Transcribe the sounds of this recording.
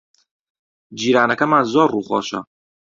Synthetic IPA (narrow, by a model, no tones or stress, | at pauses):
d͡ʒiːɾaːnɐkɐmaːnzɔːruːχɔ̰ːʃɐ̰